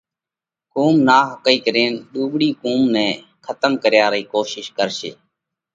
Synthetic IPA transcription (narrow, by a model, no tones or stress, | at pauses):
kuːmnaːɦəkəiːkəɾeːnɗuːɓɽiːkuːmnɛ̃ː | kʰət̪əmkəɾjaːɾəiːkoːʃɪʃkəɾsḛː